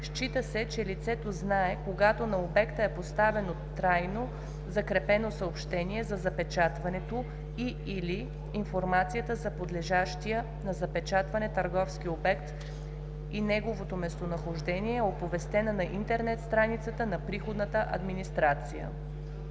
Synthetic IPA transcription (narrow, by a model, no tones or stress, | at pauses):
ʃt͡ʃit̪əsɛt͡ʃɛlit̪sɛt̪oznaɛkoɡat̪onɐobɛkt̪əɛpost̪avɛnot̪ɾajno | zɐkɾɛpɛnosəopʃt̪ɛniɛzɐzɐpɛt͡ʃat̪vɐnɛt̪o | i | iliː | nfoɾmat̪sijət̪əzɐpod̪lɛʒaʃt̪ijə | nɐzɐpɛt͡ʃat̪vɐnɛt̪əɾɡɔfsk̟iobɛkt̪ | inɛɡovot̪omɛst̪onɐxoʒd̪ɛniɛopovɛst̪ɛnənɐʔint̪ɛɾnɛt̪st̪ɾanit̪sət̪ənɐpɾixod̪nət̪əʔɐ̰d̪minist̪ɾat̪sijə̰